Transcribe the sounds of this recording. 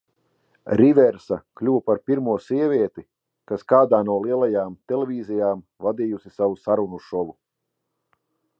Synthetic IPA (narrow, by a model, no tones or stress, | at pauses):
ɾivɛɾsaklʲuwpaɾpiɾmuɔsiɛvʲiɛt̪i | kaskaːd̪aːnuɔlˠiɛlˠajaːmt̪ɛlʲevʲiːzijaːm | vad̪ijusisavusaɾunuʃɔlˠu